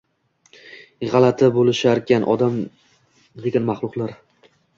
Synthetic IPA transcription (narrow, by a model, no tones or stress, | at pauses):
ʁɑlˠat̪ʰɪbolɪʃaɾkʲʰanʔɒ̰d̪am | d̪eɡʲanmɑχlˠʊqlˠaɾ